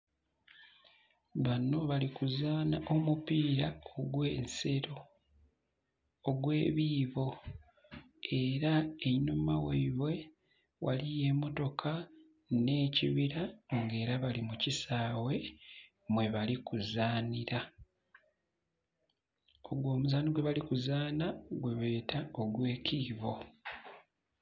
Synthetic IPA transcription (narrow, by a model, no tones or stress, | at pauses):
βano̞βalikuzaːnaʔo̞mupiːɾaoɡwe̞ːnse̞ɾo̞ | ɡwe̞ːβiːβo̞ | e̞ɾaenumaweiβwe̞ | wʔa̰lije̞mo̞to̞kʰa | ne̞ːcḭβiɾaŋɡe̞ːɾaβalimucisaːwe̞ | mwe̞βalikuzaːniɾa | oɡwo̞ːmuzaːniɡwe̞βalikuzaːnaɡwe̞βe̞ːtʰao̞ɡwe̞ːciːβo̞